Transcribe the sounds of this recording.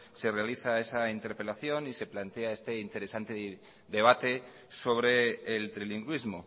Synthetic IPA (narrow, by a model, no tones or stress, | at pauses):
se̞re̞aliθae̞saint̪e̞ɾpe̞laθjo̞nise̞plant̪eae̞st̪e̞int̪e̞ɾe̞sant̪e̞ | ðe̞β̞at̪e̞ | so̞β̞ɾe̞ːlt̪ɾiliŋɡwizmo